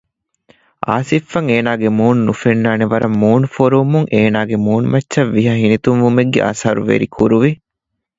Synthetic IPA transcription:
ʔa̰ːsifːɐŋeːnaːɡemuːnnufenːaːneʋɐɾɐmːuːnufoɾoːmuŋʔeːnaːɡemuːnumɐtːʃɐʋːiɦɐɦinit̪umʋumeɡːḛʔɐ̰sɦɐɾṵʋḛɾikʰuɾuʋi

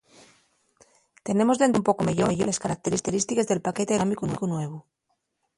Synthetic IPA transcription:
t̪e̞ne̞mo̞zðenumpo̞kome̞ʝoʝoleskaɾak̚t̪e̞ɾist̪eɾist̪ikezðe̞lpaket̪eɾamikunkunwe̞β̞o

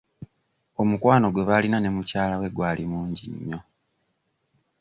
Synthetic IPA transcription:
o̞mukwaːno̞ɡwe̞βalinane̞mucaːlawe̞ɡwaːlʔimuːɲɟiɲːo̞

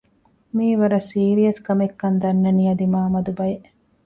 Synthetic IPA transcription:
miːʋɐɾɐsiːɾiɐskɐmekːɐnd̪ɐnːɐnijɐd̪imaːmɐd̪ubɐjeʔ

